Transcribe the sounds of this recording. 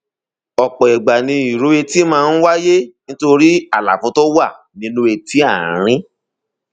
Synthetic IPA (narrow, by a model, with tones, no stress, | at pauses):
ɔ˨k͡pɔ˨i˨ɡ͡ba˨nĩ˧i˨ɾo˨˦e˧ti˦mãː˦˧n̩˦wa˦je˦nĩ˦to˧ɾi˦a˦˨la̰˨fɔ̃˨˦tɔ˦wa˦˨ | nĩ˨˦nũ˦e˧ti˦a˦˨ɾ̃ĩ˦